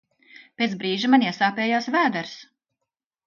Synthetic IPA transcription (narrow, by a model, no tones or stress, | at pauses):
pʲeːt̪sbɾiːʒimanʲiɛsaːpʲɛːjaːsvæːd̪aɾs